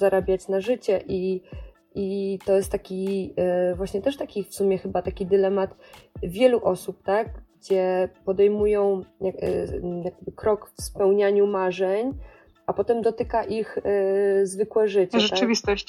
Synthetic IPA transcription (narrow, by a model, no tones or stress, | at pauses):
aɾabʲjat͡ɕnaʐɘt͡ɕɛʔi | ʔit̪ɔjɛst̪ːakʲi | vwaɕɲɛt̪ɛʂt̪akʲifsumʲjɛxɘbat̪akʲid̪ɘlɛmat̪vʲjɛluʔɔsup̚t̪aɡɡɡd͡ʑɛpɔd̪ɛjmujɔ̃w̃ja̰jaɡ̚bɘkɾɔkfspɛwɲaɲumaʐɛɲ | ʔapɔt̪ɛmd̪ɔt̪ɘkaʔix | zvɘkwɛʐɘt͡ɕɛt̪avʲist̪ɔɕ